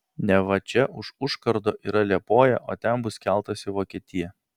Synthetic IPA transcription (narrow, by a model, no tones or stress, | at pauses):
nʲɛʋɐt͡ʃʲɛʔʊʃʊʃkɐɾd̪oːʔiːɾɐlʲiɛpoːjɛ̰ʔoːt̪ʲɛmbʊskʲɛlˠt̪ɐsʲɪʋoːkʲiɛt̪ʲɪjɛ